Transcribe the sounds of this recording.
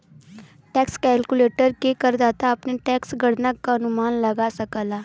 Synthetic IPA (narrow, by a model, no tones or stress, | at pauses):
ʈɛːkskɛːlkuleːʈəɾkekəɾd̪aːt̪aɐpneʈɛːksɡəɽnəkːaɐnumaːnlɐɡasɐkəlaː